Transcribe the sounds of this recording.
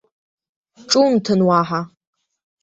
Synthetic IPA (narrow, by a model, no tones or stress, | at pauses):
ʈ͡ʂʼumtʰɨnwaːħa